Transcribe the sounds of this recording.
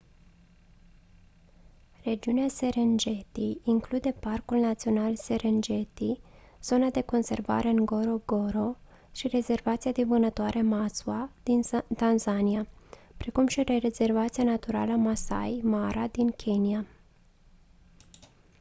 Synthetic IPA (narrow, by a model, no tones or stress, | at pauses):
re̞d͡ʒiunease̞ɾend͡ʒe̞t̪iːŋklud̪e̞parkulnat̪sio̞nalse̞ɾend͡ʒe̞t̪i | z̥o̞nad̪e̞ko̞nse̞rva̰ɾe̞ɨŋɡo̞ɾo̞ɡo̞ɾo̞ | ʃire̞ze̞rvat̪siad̪evɨnət̪oaɾʔe̞masuad̪̥int̪anzaniapɾe̞kumʃireɾeze̞rvat̪sianat̪uɾa̰ləmasa̰jmaɾad̪inkʲʰe̞nia